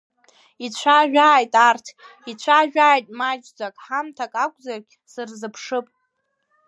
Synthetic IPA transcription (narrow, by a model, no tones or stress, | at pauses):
it͡ɕʷʰaʒᶣaːjtʼartʰit͡ɕʷʰaʒᶣaːjtʼmad͡ʒd͡zʷakʼħamtʰakʼakʷʰʼzarɡʲ | sɨrzɨpʰʂɨpʼ